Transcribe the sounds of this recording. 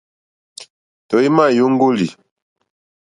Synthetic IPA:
tɔ˨i˦ma˦˨ju˦ŋ̩˦ɡo˦li˨

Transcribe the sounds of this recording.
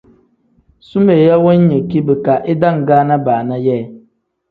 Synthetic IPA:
su˦me˨ja˦wɔ˦n˦ɲə˨ki˦bɨ˨ka˨ʔe˦da˦˨ŋ˨ɡaː˦na˦baː˨na˦jɛː˦˨

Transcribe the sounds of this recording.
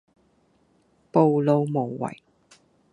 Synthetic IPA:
po˨˧wlo˨˧wmo˨˩wːɐ̰˨˩j

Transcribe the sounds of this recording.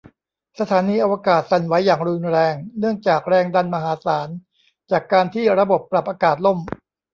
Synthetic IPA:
sa˧t̪ʰaː˩˦niː˧ʔa˧wa˧kaː˨˩t̪̚sa˨˩nwa˦˥jːaː˨˩ŋɾuː˧nɾɛː˧ŋnɯ˥˩əŋt͡ɕaː˨˩k̚ɾɛː˧ŋda˧nma˧ɦaː˩˦saː˩˦n | t͡ɕaː˨˩kːaː˧nt̪ʰiː˥˩ɾa˧bo˨˩pːɾa˨˩p̚ʔaː˧kaː˨˩t̪̚lo˥˩m

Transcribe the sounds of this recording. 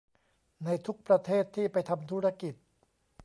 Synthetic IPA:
na˧jt̪ʰu˦˥k̚pɾa˧t̪ʰeː˥˩t̪ʰːiː˥˩pa˧jt̪ʰa˧mt̪ʰuː˦˥ɾa˧˥ki˨˩t̪̚

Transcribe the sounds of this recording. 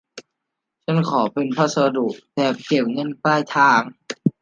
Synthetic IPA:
t͡ɕʰa˥˨nkʰɔː˩˦pe˨npʰa˧˥sa˧du˨˩ʔ̚t̪ɛː˨˩p̚ke˨˩p̚ŋɤ˧˥˨nklaː˥˩jt̪ʰaː˧˩ŋ

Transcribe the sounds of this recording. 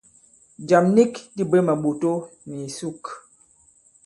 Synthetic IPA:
d͡ʒa˨mni˦kdi˦bə˦mə˨ɓo˨to˦mi˨su˦k

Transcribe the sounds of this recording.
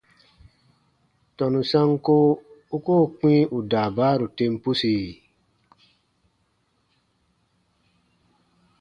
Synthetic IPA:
tɔ˨nũ˨sã˦ŋ˦ko˦u˦ko˦˨k͡pĩ˦ʔu˨daː˨baː˨˦ɾu˨te˧m˦pu˦si˨

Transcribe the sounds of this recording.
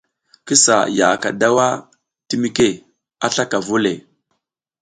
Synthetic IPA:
ki˦sa̰˨ja̰˨ka̰˨da˦wa˦ | ti˦mi˦ke˦ | a˦ɬa˦ka˨vu˦le˨

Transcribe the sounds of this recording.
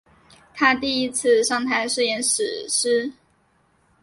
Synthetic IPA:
t̪ʰa˥t̪i˥˧i˦˥t͡s̩ʰ˥˧ʂɑ˥˨˩ŋt̪ʰa˧˥ɪʂ̩˥˩jɛ˧˥nʂɻ̩˨˩ʂ̩˥

